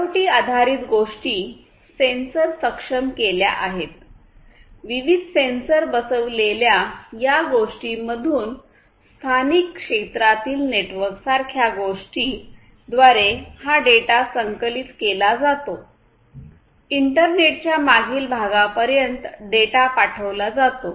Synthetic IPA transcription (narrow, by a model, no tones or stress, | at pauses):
awʈiːad̪ʱaɾiːt̪ɡoʂʈiː | sensəɾsəkʂəmkelja̰ʔaɦet̪̚ | ʋiʋid̪ʱsensəɾbəsəʋleljajaɡoʂʈiməd̪ʱuːn | st̪ʰanikːʂet̪ɾat̪iːlneʈʋəɾksaɾkʰjaɡoʂʈiː | d̪ʋaɾehaɖeʈasəŋkəlit̪kelad͡zat̪o | iɳʈəɾneʈ̚t͡ɕjamaɡʱiːlbʱaɡapəɾjənt̪ɖeʈapaʈʰəʋlad͡zat̪o